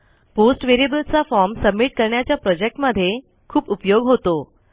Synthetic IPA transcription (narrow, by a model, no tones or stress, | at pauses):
posʈʋeɾiebəlt͡safɔɾmsəbmːiʈ̚kəɾɳjat͡ɕjapɾɔd͡ʑek̚ʈməd̪ʱːje | kʰuːpupjoɡɦot̪o